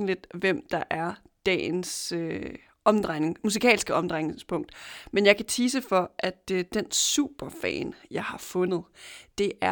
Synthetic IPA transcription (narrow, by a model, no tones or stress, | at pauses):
n̩led̥ʋem̰d̥ɑ̈ʔæɐ | d̥ɛ̰ːnsø | ɒ̽md̥ʁaɪne̝ŋmus̬ikʰɛ̰ːlsɡ̥əɒ̽md̥ʁaɪŋnespʰɔ̽ŋ̰d̥menjɑ̈ɪkʰæt͡sʰiːs̬əfɒ̽ʔæd̥d̥ensṵːb̥ɐfɛ̰ːnjɑ̈ɪhɑ̈fɔ̽nð̞̩ˠd̥e̝ʔæɐ